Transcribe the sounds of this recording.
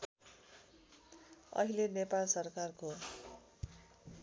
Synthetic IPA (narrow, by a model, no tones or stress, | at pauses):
ʌ̰ɦilenepalsʌrkarko